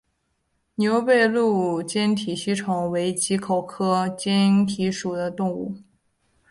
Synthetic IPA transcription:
nʲjo˧˥ʊpe˥˧ɪlu˥˩t͡ɕjɛ˥nt̪ʰi˨˩ɕi˥ʈ͡ʂʰʊ˨˩ŋwe˧˥ɪt͡ɕi˧˥kʰo˨˩ʊkʰɤ˥t͡ɕjɛ˥nt̪ʰi˧˥ʂu˨˩d̪ə˦t̪ʊ˥˧ŋu˥˩

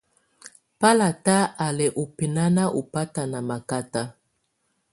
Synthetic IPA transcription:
pa˦la˨ta˦a˨lɛ˨ʔo˨pe˨na˦na˦ʔo˨pa˦ta˨na˨ma˨ka˦ta˦

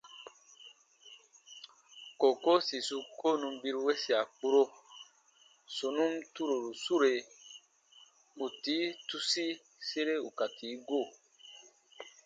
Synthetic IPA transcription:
ko˨ko˦si˨su˧ko˦˨nũ˧bi˧ɾu˦we˦si˨a˨k͡pu˦ɾo˦ | so˨nũ˦m˦tu˦ɾo˨ɾu˨su˦ɾe˨ | u˨ti˨˦tu˧si˦ | se˦ɾe˦u˨ka˨tʰi˨˦ɡo˦˨

